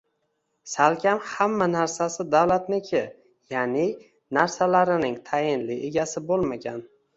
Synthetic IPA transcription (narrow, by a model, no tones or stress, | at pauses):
salkʲʰamhamːanaɾsasɪd̪awlat̪nɪkʲʰɪ | janɪ | naɾsalaɾɪnɪŋt̪ʰajɪnlɪʔe̞ɡʲasɪbolˠmaɡʲan